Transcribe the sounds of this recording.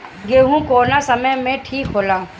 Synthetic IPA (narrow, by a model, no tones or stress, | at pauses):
ɡeːɦũkoːnasɐməjmẽʈʰiːkɦoːlaː